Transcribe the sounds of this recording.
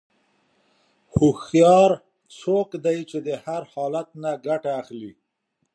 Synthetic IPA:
xoxjɑɾ | sokd̪ajt͡ʃed̪əhaɾhɑlat̪̚naɡaʈaːxli

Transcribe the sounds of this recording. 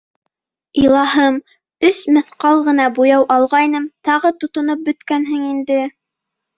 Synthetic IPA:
ilˠɑɦɤm | ɵsmɘ̆θqɑlˠʁɤ̆nɑbujɑwʔɑlˠʁɑjnɤmt̪ɑʁɤt̪ŏt̪ŏnop̚bɵ̆t̪kænɦɘŋind̪ɘ

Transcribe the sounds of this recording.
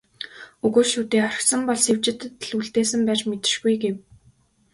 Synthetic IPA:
ɵɣoːʃuːt̪eːχœrɪ̥̆sə̆mpɔɮsewt͡ɕɪ̆t̪ɮuɮt̪eːsɘ̆mpæːt͡ɕmet̪ɪ̥̆ʃɡujɡew

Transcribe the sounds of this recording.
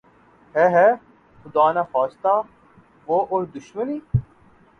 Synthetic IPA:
ɦɛɦɛː | xʊd̪aːnaːxaːst̪aː | ʋoːʔoːɾd̪ʊʃməniː

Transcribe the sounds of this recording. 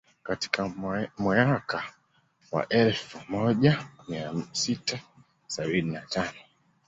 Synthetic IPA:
kati̥kamwɛaka | wa̰ʔɛlfumɔʄamiasitʰa | saɓininatanɔ

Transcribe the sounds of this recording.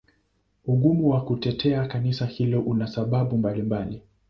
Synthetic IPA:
uɠumuwakutɛtʰɛakanisahilɔʔunasaɓaɓumbalimbali

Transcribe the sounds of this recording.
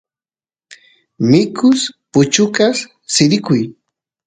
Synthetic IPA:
mɪkʰʊspʊt͡ʃʊkas | sɪɾɪkʊj

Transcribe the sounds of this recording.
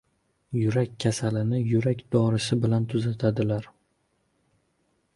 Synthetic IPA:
jʊɾakʲʰːasalɪnɪjʊɾakʲd̪ɒɾɪsɪbɪlant̪ʰʊzat̪ʰad̪ɪlaɾ

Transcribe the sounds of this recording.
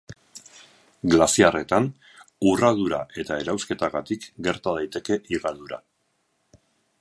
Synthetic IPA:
ɡlasiare̞t̪an | uraðuɾa̰ʔe̞t̪ae̞ɾawske̞t̪aɣat̪ikɡe̞ɾt̪að̞ajt̪e̞ke̞ʔiɣaðuɾa̰

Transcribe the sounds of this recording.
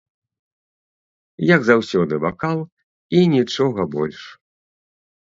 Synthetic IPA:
jɐɡzawsʲɔd̪ɨvakalˠ | inʲit͡ʂɔɣɐbɔlʲʂ

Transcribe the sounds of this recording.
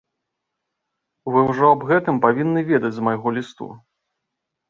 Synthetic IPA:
vɨwʐɔabɣɛt̪ɨmpavʲinːɨvʲɛd̪ɐd͡zʲzmajɣɔlʲist̪ṵ

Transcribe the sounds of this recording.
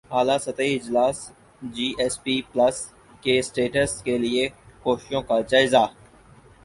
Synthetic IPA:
aːlasɐt̪aiɪd͡ʒlaːs | d͡ʒiːʔɛːspiːplɐs | kesʈeːʈəskelɪekoːʃɪʃõkad͡ʒaːɪza

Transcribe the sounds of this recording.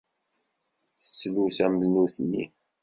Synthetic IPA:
θə̥t͡sːlusæmðnuθnːḭ

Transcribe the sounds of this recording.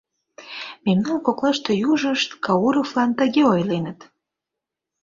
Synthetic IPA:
memnɑnkoklɑʃt̪ejuʒəʃt̪kɑuɾoflɑnt̪əɣeojlenət̪

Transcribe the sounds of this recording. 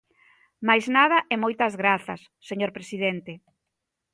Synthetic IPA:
majznað̞ɐʔɛmojt̪ɐzɣɾaθɐsːeɲoɾpɾesiðent̪e

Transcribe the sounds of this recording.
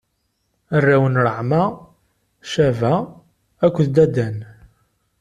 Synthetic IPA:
ərːæwənɾˤəʕma | ʃævæː | kʷːðd̪æd̪æn

